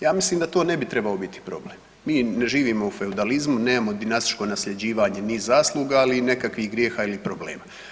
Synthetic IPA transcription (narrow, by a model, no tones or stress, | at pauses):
jaːmisliːmd̪at̪oːne̞bit̪ɾe̞baobit̪i̥pɾo̞ble̞m | miːne̞ʒiːʋimo̞ufe̞ud̪alizmuneːmamo̞d̪inast̪i̥t͡ʃko̞nasʎe̞d͡ʑiːʋaːɲe̞nizaːslˠuːɡaːline̞kakʋihɡɾje̞ːxaːilipɾo̞ble̞̰ːma